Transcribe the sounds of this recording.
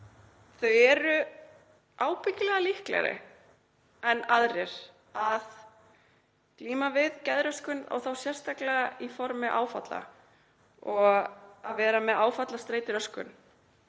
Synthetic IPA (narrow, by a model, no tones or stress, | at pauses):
θœɥɛːɾʏ | aːwpɪcɪlɛɣalihklɛ̰ɾɪ̰ | ɛnaðɾɛɾ̥ | að | kliːmavɪðcɛðɾœskʏna̰wθawsjɛr̥st̪aklɛɣaifɔɾmɪʔa̰ːwfa̰t̪la̰ | ɔɣaðvɛːɾamɛðaːwfat̪last̪ɾeːjt̪ɪɾœskʏ̰n